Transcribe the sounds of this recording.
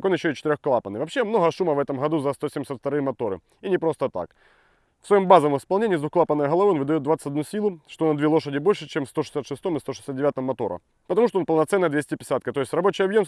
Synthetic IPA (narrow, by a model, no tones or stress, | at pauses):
konjɪɕːoɪt͡ɕɪt̪ɪɾʲoxklˠapənɨjvɐpɕːemno̞ɣəʂuməvɛt̪əmɣɐd̪uzɐst̪osʲemʲɪsʲat̪ft̪ɐɾɨjəmɐt̪o̞ɾɨ̰ | inʲɪpɾo̞st̪ət̪a̰k | fsvɐjo̞mbazəvəmɪspɐlˠnʲenʲɪːzʊklˠapənːəjəɣɐlˠɐvɨonvɨd̪ɐjod̪vat̪sə̥ɨtʲɐd̪nusʲilˠʊʂt̪onɐd̪vʲelˠo̞ʂədʲɪbo̞lʲʂɨt͡ɕemfst̪o̞ʂɨ̥sʲat̪ʂɨst̪omɨst̪oʂɨ̥sʲat̪dʲɪvʲat̪əmːɐt̪o̞̰ɾə̰ | pət̪ɐmuʂ̬t̪oonpəlˠnɐt̪sɛnːəjd̪vʲesʲtʲɪpʲɪ̥sʲat̪kət̪o̞ɪsʲt̪ʲrɐbo̞t͡ɕɪjɐbjo̞m